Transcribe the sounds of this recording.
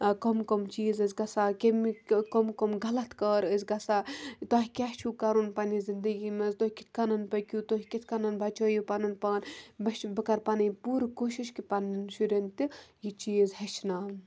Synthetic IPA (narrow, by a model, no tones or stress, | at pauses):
komkomt͡ʃiːzəzɡɐsaːkemikomkomɡɐlɐt̪kəːɾəzɡɐsaːt̪aːɦikʲaht͡ʃʰuːkaɾunpanizind̪əɡiːmɐzt̪oɦʲikit̪ʰʲkanɐnpɐkʲuːt̪oɦikit̪ʰʲkanɐnbɐt͡ʃoːjipanɐnpaːnbɐʃbɐkɐɾpanipuːɾkoːʃiʃkipannʃuɾʲent̪ijit͡ʃiːzheʃʰnaːm